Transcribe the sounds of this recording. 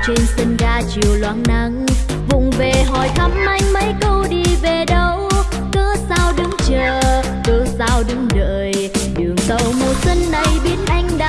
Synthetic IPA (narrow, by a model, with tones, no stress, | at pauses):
t͡ɕe˧nsə˧nɣaː˧t͡ɕi˨˩əwlwa̰ː˧˨nna˧˩ŋ | vʊ̰˧˨ŋ͡mve˨˩ɦɔ˨˩jt̪ʰə˨˦mʔa˧jŋ̟mə˨˦jkə˧wɗi˧ve˨˩ɗə˧˨w | kəː˧˦zaː˧wɗɨ˨˦ŋt͡ɕəː˨˩ | kəː˧˩zaː˧wɗɨ˨˦ŋɗə̰ː˧˨j | ɗɨ˨˩əŋt̪ə̰˧˨wmo˨˩t̚sə˧nːa˨˩jɓi˨˦ənʔa˧jŋ̟ɗa˧